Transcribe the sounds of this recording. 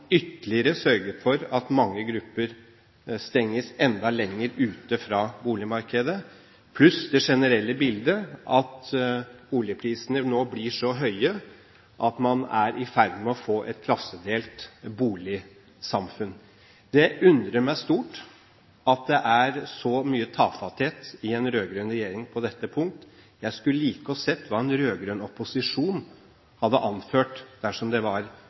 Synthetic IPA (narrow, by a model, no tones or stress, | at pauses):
ʏt̪ːəlɪəɾəsœɾɡəɾfɔɾɑt̪mɑŋːəɡɾʉpːəɾ | st̪ɛŋːəsɛnd̪ɑlɛŋːəɾʉːt̪əfɾɑːbuːlɪmɑɾkəd̪ə | pʰlʉsd̪ɛʂɛnəɾɛlːəbɪld̪əʔɑt̪ | uːljəpʰɾiːsənənoːblɪʂɔɦœʏə | ʔɑt̪mɑnæɾʔɪfæɾd̪mɛɔfoːʔɛt̪̚kʰlɑsːəd̪eːlt̪buːlɪ | sɑmfʉn | d̪ɛʉnd̪ɾəmæɪst̪uːʈ | ɑt̪̚d̪ɛʔæɾsɔmyːət̪ʰɑːfɑt̪heːt̪ɪɛnɾøːɡɾøːnɾɛjeːɾɪŋpʰɔd̪ɛt̪ːəpʰʊŋk̚t̪jæɪskʉləliːkəɔsɛt̪ʰːʋɑːɛnɾøːɡɾøːnɔpːʊsɪʂuːn | hɑd̪ːəʔɑnføːʈd̪̥æʂɔmd̪ɛʋɑɾ